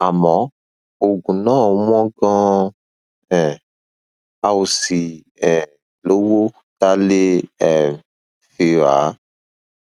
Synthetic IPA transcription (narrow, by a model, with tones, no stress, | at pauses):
a˨mɔ̃˨˦ | o˨ɡũ˨nã˦˨˦m˦ɔ̃˦ɡɔ̃˦ | ɛ˨ | a˨wo˨si˨ | ɛ˨ | lo˦wo˦ | t̪a˦le˦ɛ˨ | fe˨a˨˦